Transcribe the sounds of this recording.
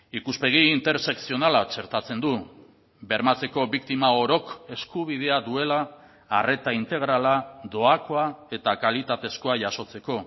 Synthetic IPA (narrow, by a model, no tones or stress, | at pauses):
ikuspe̞ɣ̞iːnt̪e̞ɾse̞ksio̞nalat͡ʃe̞ɾt̪at͡se̞nd̪u | be̞ɾmat͡se̞ko̞βikt̪imao̞ɾo̞ke̞skuβ̞ið̞e̞aðue̞laː | re̞t̪aint̪e̞ɣ̞ɾalad̪o̞ako̞ae̞t̪akalit̪at̪e̞sko̞aʝaso̞t͡se̞ko̞